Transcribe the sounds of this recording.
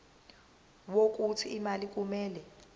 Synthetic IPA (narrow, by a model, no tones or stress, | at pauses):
wok̬ʼutʰiimalik̬ʼumɛːlɛ